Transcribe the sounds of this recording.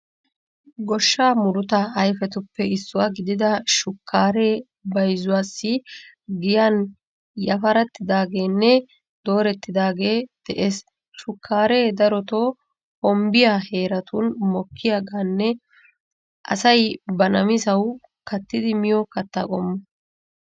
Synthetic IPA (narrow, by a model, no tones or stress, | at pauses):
ɡɔʃːaːmʊɾʊt̪ɐɐjfɛt̪ʊpːɛɪsːʊwaɡɪd̪ɪd̪ɐʃʊkːaːɾe̞ː | bɐjzʊwaːsːɪ | ɡɪjan | jɐfɐɾɐt̪ːɪd̪aːɡe̞ːnːɛ | d̪o̞ːɾɛt̪ːɪd̪aːɡe̞ːd̪̥ɛʔeːs | ʃʊkʰːaːɾe̞ːd̪ɐɾɔt̪oː | hɔmbɪjaːhe̞ːɾɐt̪ʊnmɔkʰːɪjaːɡaːnːɛ | ʔɐ̰sɐjbɐnɐmɪsɐw | kɐt̪ːɪd̪ɪmɪjɔkɐt̪ːɐ̰kʼɔmːɐ